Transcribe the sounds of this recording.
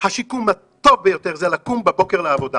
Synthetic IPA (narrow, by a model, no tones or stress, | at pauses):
haʃikuma | t̪o̞vbejot̪eʁzelakumbebo̞keʁleavo̞d̪a